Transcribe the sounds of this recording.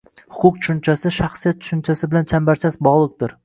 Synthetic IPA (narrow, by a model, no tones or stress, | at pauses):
hʊ̥kʰʊq̚t̪ʰʊ̥ʃʊnt͡ʃʰasɪʃaχsijat̪̚t͡ʃʰʊ̥ʃʊnt͡ʃʰasɪbɪlant͡ʃʰambaɾt͡ʃʰasbɒʁlˠɨq̚d̪ɪɾ